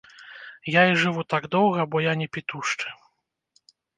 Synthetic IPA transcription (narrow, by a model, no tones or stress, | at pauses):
jaiʐɨvut̪aɡd̪ɔwɣɐbɔjanʲɛpʲit̪uʂt͡ʂɨ̥